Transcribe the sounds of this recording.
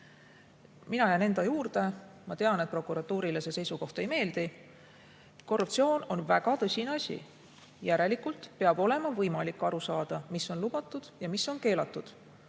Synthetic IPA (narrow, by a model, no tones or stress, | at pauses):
minɑjæne̞nd̪ɑjuːɾd̪̥e̞mɑt̪e̞ɑnet̪̚pro̞kuɾɑt̪ːˑuːɾilese̞se̞jsuko̞ht̪e̞jme̞ːld̪̥i | ko̞rup̚tsio̞ːno̞nvæ̰ɡ̥ɑt̪ɤsʲineɑsʲḭ | jæɾe̞likult̪pe̞ɑb̥o̞le̞mɑvɤjmɑlikːˑɑɾusɑːd̪̥ɑmisːo̞nlub̥ɑt̪ːˑud̪̥jɑmisːo̞nke̞ːlɑt̪ːˑud̪̥